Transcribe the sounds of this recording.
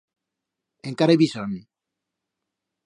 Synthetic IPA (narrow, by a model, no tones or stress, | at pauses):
eŋkaɾeβisani